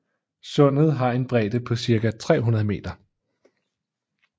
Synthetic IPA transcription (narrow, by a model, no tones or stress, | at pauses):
sɔ̽n̰ð̞̩ˠɦɑ̈e̝nb̥ʁɛ̰ːd̥əpʰɒ̽siɐɡ̥æt͡sʰʁɛ̰ːɦunɐð̞ˠme̝̰ːd̥ɐ